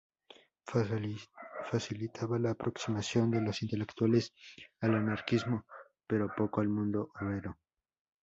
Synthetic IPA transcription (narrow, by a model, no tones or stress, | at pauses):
fasilit̪ʰaβalaːpɾʔo̞ksimasjo̞nd̪e̞losint̪e̞le̞kt̪wale̞salanaɾkizmo̞ | pe̞ɾo̞po̞koalmũnd̪o̞ʔoβɾeɾo̞